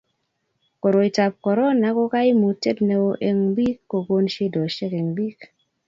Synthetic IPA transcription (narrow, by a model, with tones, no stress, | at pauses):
kɔ˨ɾo˨i˨ta˨p̚kɔ˨ɾɔ˦na˨˦ko˦ka˦i˦mu˨te˦t̚nɛ˨o˨ʔe˨ŋbi˦kːo˨ɡo˦nʃe˦dɔ˨ʃe˦ke˨ŋbi˦k